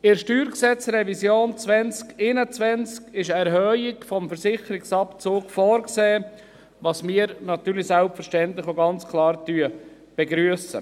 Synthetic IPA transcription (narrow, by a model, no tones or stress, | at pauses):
ɪɾʃtyːɾksɛt͡srɛvisjoːnt͡svɛnt͡skɪnət͡svɛnt͡skɪʃɛɾɦœːɪkfɔmfəɾsɪχəɾɪksɑpt͡soːkfɔːɾkseː | ʋɑsmɪəɾnɑt̪yːɾlisɛlpfəɾʃtɛntlɪxoɡɑnt͡skʰlɑːɾtyə | b̥ɛɡɾyəsə̰